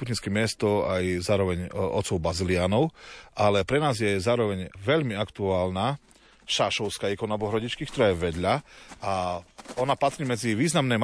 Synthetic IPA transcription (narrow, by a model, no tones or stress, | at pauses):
ut̪ɲiskɛmɪɛst̪ɔajzaːɾɔʋɛɲɔ̰t̪t͡sɔʊbazilɪaːnɔʊʔalɛpɾɛnaːzjɛzaːɾɔʋɛɲʋɛʎmiakt̪uaːlna | ʃaʃɔʊskaɛkɔnabɔɦɾɔɟit͡ʃkikt̪ɔɾaːjɛʋɛd̪ʎaaɔnapat̪ɾiːmɛd͡ziʋiːznamnɛm